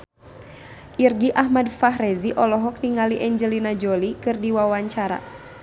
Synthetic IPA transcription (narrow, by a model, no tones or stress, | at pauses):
ʔirɡiʔahmadfaɦrɛziʔɔlɔɦɔk̚niŋaliʔɛɲd͡ʒəlinad͡ʒolikɨrdiwawaɲt͡ʃaɾa̰